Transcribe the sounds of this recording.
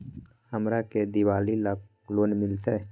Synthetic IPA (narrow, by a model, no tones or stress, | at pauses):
həmɾaked̪ɪwaːlilək | loːnmɪlt̪e